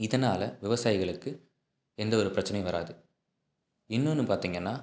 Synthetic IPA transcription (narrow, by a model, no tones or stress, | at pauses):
ɪðɐnaːlɐʋɪʋɐsaːjɪɣɐɭɯkːɯ | ɛnd̪ɐɔɾɯpɪɾɐt͡ʃːɐnɐɪʋɐɾa̰ːðɯ | ɪnːɯnːɯpaːɾt̪iːŋɡɐnːaː